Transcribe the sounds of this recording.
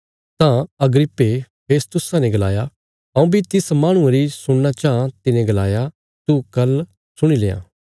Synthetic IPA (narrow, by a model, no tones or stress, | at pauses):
t̪ãɐɡɾɪpːepʰeːst̪ʊsãneɡɐla̰ːja | ɐũːbʱit̪ɪsmaːɽ̃ʊ̃ẽɾisʊɽnat͡ʃãːt̪ɪnẽɡɐla̰ːja | t̪ukɐl | sʊɽ̃ilḛːã̰ː